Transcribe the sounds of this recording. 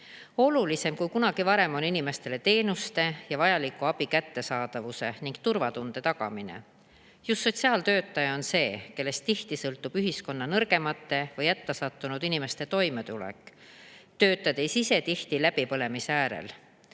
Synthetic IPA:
o̞lulise̞mkujkunɑɡ̥ivɑɾe̞mo̞ninime̞st̪e̞le̞t̪e̞ːnust̪e̞jɑvɑjɑlikːˑuɑb̥ikæt̪ːe̞sɑːd̪̥ɑvuse̞niŋɡ̥t̪urvɑt̪und̪̥e̞t̪ɑɡ̥ɑ̰minḛ | just̪so̞t̪ʲsiɑːlt̪øːt̪ˑːɑjɑo̞nse̞ːke̞lːest̪ːiht̪isɤlt̪ːˑub̥yɦisko̞nːɑnɤɾɡ̥e̞mɑt̪ːe̞vɤjæt̪ːesɑt̪ːˑunud̪inime̞st̪e̞t̪o̞jme̞t̪ulḛkːˑ | t̪ø̞ːt̪ːˑɑd̪e̞sise̞t̪iht̪ilæb̥ipɤle̞miseæːɾḛl

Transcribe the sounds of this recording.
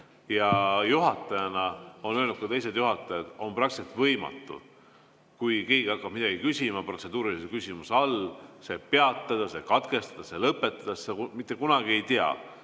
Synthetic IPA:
jɑjuɦɑt̪ːˑɑjɑnɑo̞nø̞ːlnud̪̥̚kɑt̪e̞jse̞d̪̥juɦɑt̪ːˑɑjɑd̪̥o̞nprɑkset̪vɤjmɑ̰t̪ːˑṵ | kujke̞ːɡ̥iɑkːˑɑb̥mid̪ɑɡikysʲimɑpro̞t̪se̞d̪̥uːɾiisekysʲimusɑlse̞pe̞ɑt̪ˑːɑd̪̥ɑse̞kɑt̪ke̞st̪ɑd̪̥ɑse̞lɤpːˑe̞t̪ːˑɑd̪̥ɑsɑumit̪ˑːe̞kunɑɡie̞jt̪eɑ̰

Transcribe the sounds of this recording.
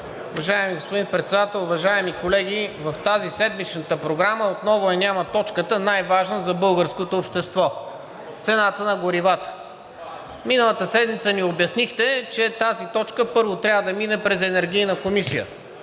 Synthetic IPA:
ʊvɐʒaɛmiɡospʊd̪inpɾɛt̪sɛd̪at̪ɛlˠʊvɐʒaɛmikolɛɡʲivɐft̪azisɛd̪mit͡ʃnət̪əpɾoɡɾaməot̪nɔvʊɛnʲamət̪ɔt͡ʃkət̪ənajvaʒnəzɐbɤlˠɡəɾskot̪oːpʃt̪ɛst̪vɔ | t̪sɛnat̪ənɐɡoɾivat̪ə̥ | minəlˠət̪əsɛd̪mit̪səniobjɐsnixt̪ɛt͡ʃɛt̪azit̪ɔt͡ʃkəpɤɾvot̪ɾʲavəd̪ɐminɛpɾɛzɛnɛɾɡ̟ijnəkomisijə̰

